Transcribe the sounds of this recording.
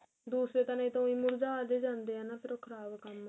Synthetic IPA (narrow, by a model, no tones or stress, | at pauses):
d̪uːsɾeːt̪ãːnãɪt̪õːĩːmʊɾzaːaːd̪eːd͡ʒãːnd̪eːɦɛːnaːpʰɪɾoːkʰəɾaːbkəmː